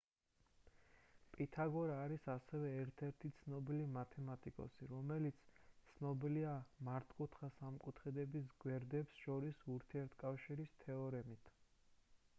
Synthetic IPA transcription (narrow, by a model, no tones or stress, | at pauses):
pʼit̪ʰaɡɔɾaːɾisasɛvɛːɾt̪ʰɛɾt̪ʰit̪sʰnɔbilimat̪ʰɛmat̪ʼikʼɔ̰siɾɔmɛlit̪sʰt̪sʰnɔbiliamaɾt̪ʰʼkʼut̪ʰχasamkʼut̪ʰχɛd̪ɛbis̬ɡwɛɾd̪ɛpsʃɔɾisuɾt̪ʰiɛɾt̪ʰkʼafʃiɾist̪ʰɛɔɾɛmit̪ʰ